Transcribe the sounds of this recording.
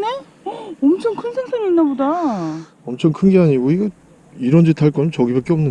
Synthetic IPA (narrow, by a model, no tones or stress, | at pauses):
ne | ʌmt͡ɕʰʌŋkʰɯnsʰeŋsʰɯŋiːnːaboda | ʌmt͡ɕʰʌŋkʰɯŋɡiɦaɲiɡoiɡʌ | iɾʌnd͡ʑitʰaɭk͈ʌnt͡ɕʌɡibak͈eʌmnɯ